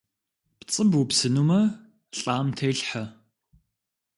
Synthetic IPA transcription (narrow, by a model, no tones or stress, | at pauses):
pt͡sʼɨbupsɨnuːmɐ | ɬʼaːmtʰɐjɬħɐ